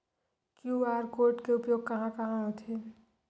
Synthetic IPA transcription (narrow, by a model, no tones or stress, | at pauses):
kjuːaːɾkoːɾʈkeʊpjoːɡ̚kɐɦãkɐɦãɦõt̪ʰe